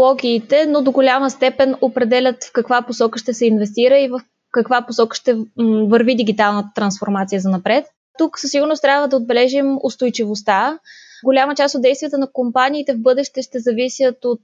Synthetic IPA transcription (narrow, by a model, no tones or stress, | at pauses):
lˠɔɡʲiːt̪ɛnod̪oɡolʲaməst̪ɛpɛnopɾɛd̪ɛlʲət̪fkɐkvaposɔkəʃt̪ɛsɛinvɛst̪iɾəivəf | kɐkvaposɔkə̥ʃt̪ɛvəɾvid̪iɡ̟ʲit̪alˠnət̪ɾɐnsfoɾmat̪sijəzɐnɐpɾɛt̪̚ | t̪uksəsiɡʊɾnost̪ɾʲjabvəd̪ɐod̪̚bɛlɛʒimʊst̪ojt͡ʃivost̪aɡolʲamət͡ʃast̪od̪d̪ɛjst̪vijət̪ənɐkompaniːt̪ɛvbɤd̪ɛʃt̪ɛʃt̪ɛzɐvisʲjət̪ot̪